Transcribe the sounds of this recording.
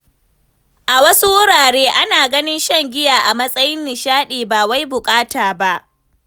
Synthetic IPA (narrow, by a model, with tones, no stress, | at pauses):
ʔa˨wɐ˦su˦wʊ˦ɽaː˨ɽeː˦ʔa˦naː˨ɡɐ˦nɪ˦nʃɐ˦ŋɡʲɪ˦jaː˨ʔa˨mɐ˦sʼɐ˦jɪ˦nːɪ˨ʃaː˦ɗiː˨baː˨wa˦jbʊ˨kʼaː˦taː˨ba˦ʔ